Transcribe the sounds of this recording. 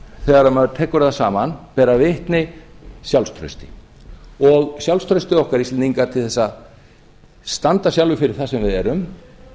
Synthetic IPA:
θɛːɣaɾamaðt̪ʰɛːkʏɾɛðasaːmanpɛːɾavɪht̪nɪsjawlst̪ʰɾœ̰ɥst̪ɪ̥ | ɔɣsjawlst̪ʰɾœɥst̪ɪɔhkaɾist̪ːniŋkat̪ʰɪlθɛsːa | st̪ant̪asjawlvʏfɪɾɪɾ̥θasɛmvɪðɛɾʏm

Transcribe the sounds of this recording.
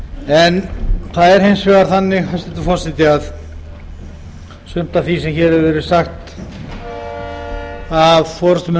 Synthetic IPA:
ɛnθaðɛɾ̥hensfɛɣaɾθanːɪɣhœst̪ɪnt̪ʏfɔr̥sɪt̪ɪað | sʏm̥t̪aθisɛmçɛːɾɛvɛːɾʏsaxt̪ | avfɔɾʏst̪ʏm

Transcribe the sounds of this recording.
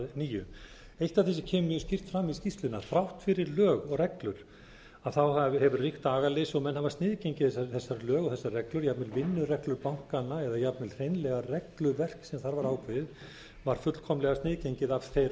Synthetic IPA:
niːjʏ | ejht̪avθisɪcʰɛːmʏmjʏscɪr̥t̪fɾamːiscist̪lɪnːaθɾawht̪fɪɾɪɾlœːɣɔɣrɛklʏɾ̥ | aðθawhavhɛvʏrrixt̪aːɣalɪsɔɣmɛnɦhavast̪nɪːðcejɲcɪθɛsaθɛsːaɾlœːɣɔθɛsːarɛklʏɾjapmɪlvɪnːʏrɛklʏɾpawŋ̥kanːaɛðajapmɪlr̥ejnlɛɣarɛklʏvɛr̥ksɛmθaɾvaɾaːwkvɪð | vaɾ̥fʏt̪l̥kʰɔmlɛɣast̪nɪːðcejɲcɪðav̥θejɾ

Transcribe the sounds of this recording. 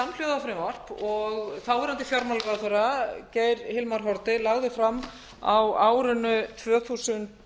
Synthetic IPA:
amljowðafɪɾɪmar̥pɔɣθawvɛɾant̪ɪfjɔɾmalkaθœɾaceːjɾhɪlmaɾ̥ɦɔɾt̪ɪlaɣðɪfɾamː | awaːwɾʏnʏt̪ʰvœːθusʏnt̪

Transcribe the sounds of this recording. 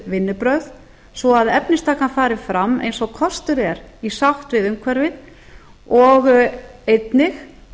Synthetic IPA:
vɪnːɪpɾœɣð | svɔaðɛpnɪst̪ʰaːkanfaːɾɪfɾamːḛjnsɔɣkʰɔst̪ʏɾɛɾisaht̪vɪðʏmkʰvɛɾvɪð | ɔɣejt̪nɪx

